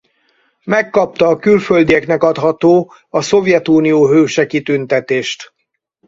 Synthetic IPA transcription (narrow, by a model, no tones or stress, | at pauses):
mɛkːɒp̚t̪ɒːkylføld̪iɛknɛkɒt̪hɒt̪oː | ɒso̞vjɛt̪uːnijoːɦøːʃɛkit̪ynt̪ɛt̪eːʃt̪